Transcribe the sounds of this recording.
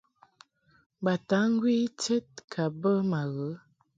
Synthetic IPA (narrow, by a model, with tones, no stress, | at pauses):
ba˨ta˨˦ŋ̩˦ɡwi˦t͡ʃɛ˦t̚kʰa˨bə˦ma˨ɣə˨˦